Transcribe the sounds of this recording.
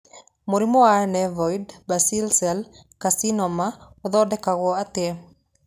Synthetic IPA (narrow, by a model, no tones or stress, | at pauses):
moɾimɔanɛvɔjdbasilsɛl | kasinɔmaoðɔdɛkaɣɔatɛ